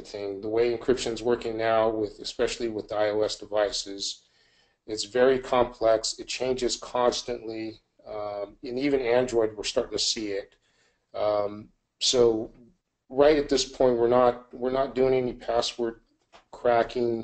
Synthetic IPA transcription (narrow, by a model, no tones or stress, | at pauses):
θɪ̃ŋðəweɪɨ̃nkʰɹ̥ɪpʃɨ̃nzwɜ˞kɪ̃ŋnaʊwɪðɨspɛʃl̩ˠiwɨðaɪoʊɛsd̥ɨvaɪsɪz̥ | ɨtsvɛɹikʰɑ̃mpʰl̥ɛksɨt̚t͡ʃʰẽɪ̃nd͡ʒɨz̥kʰɑ̃nstɨ̃nʔli | ɨ̃nivɨ̃næ̃ndɹɔɪd̚wəɹstɑɹɾɪ̃ŋtʰɨsiɪt̚ | soʊ | ɹaɪɾɨt̪̚ðɪspʰɔ̃ɪ̃nt̚wɨɹnət̚wɪɹnət̚d̥ʉɪ̃ŋɛnipʰæswə˞d̚ | kʰɹ̥ækɪ̃ŋ